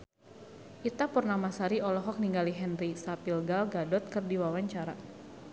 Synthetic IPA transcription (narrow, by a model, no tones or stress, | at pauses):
ʔit̪apərnamasaɾiɔlɔɦɔk̚niŋɡaliɦɛnrisapilɡalɡadɔt̪̚kɨrdiwawaɲt͡ʃaɾa̰